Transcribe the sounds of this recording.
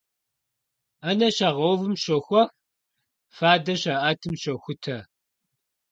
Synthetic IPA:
anɐɕɐʁɐwvɨmɕɐxʷɔx | faːdɐʃaʔaːtʰɨmɕoxʷʊtʰɐ

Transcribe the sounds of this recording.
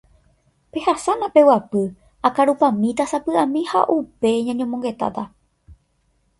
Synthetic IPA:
pe̞hasanãpe̞wapɨ | akaɾupãmĩt̪asapɨãmĩha̰ʔupe̞ɲãɲõmõŋɡe̞t̪a̰t̪a

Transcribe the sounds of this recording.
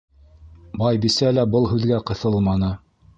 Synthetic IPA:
bɑjbisælæbɤlˠɦʉðɡæqɤ̆θɤlˠmɑnɤ

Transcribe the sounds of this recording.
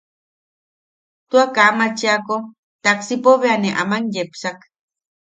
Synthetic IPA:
t̪uakamat͡ʃiako | t̪aksipoβeaneʔa̰manjepsak

